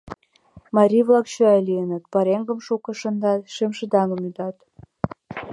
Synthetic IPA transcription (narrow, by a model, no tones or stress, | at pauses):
mɑɾʲivlɑkɕøɑjlijənət̪pɑɾeŋɡə̆mʃukə̆ʃə̆nd̪ɑt̪ʃemʃə̆d̪ɑŋə̆myd̪ɑt̪